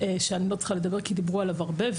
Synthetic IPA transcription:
ʃeanilɔt͡sχaləd̪abɛʁkid̪ibʁualavaʁbɛv

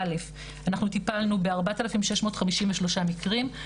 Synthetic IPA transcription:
lef | anaχnut̪ipalnube̞aʁbat̪alafimʃeʃmo̞ːtχamiʃimveʃlo̞ʃamikʁim

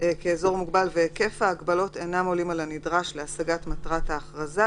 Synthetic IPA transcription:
keːzo̞ʁmuɡbalveke̞faːɡbalo̞tenamo̞limalanidʁaʃleasaɡatmatʁathaːχʁaza

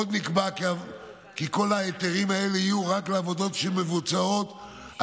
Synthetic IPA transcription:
od̪nikbak | kiko̞laet̪eʁimae̞leijuʁakleavo̞d̪o̞tʃelme̞vut͡sao̞t

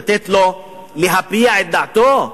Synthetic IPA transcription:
t̪et̪lo | liɦapijaet̪̚d̪at̪o

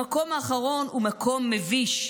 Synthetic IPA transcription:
ako̞maːχaʁo̞numakʰo̞mːeviʃ

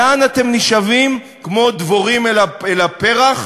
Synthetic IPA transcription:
anat̪e̞mniʃavim | kmo̞d̪voʁimelaelape̞ʁaχ

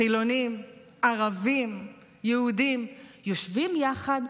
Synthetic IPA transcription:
ilo̞nim | aʁavim | jɛudimjoʃvimjaχad

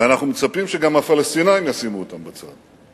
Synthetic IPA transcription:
anaχnumet͡sapimʃeɡamhafalest̪inajimjasinuot̪ambat͡sa̰d̪̥

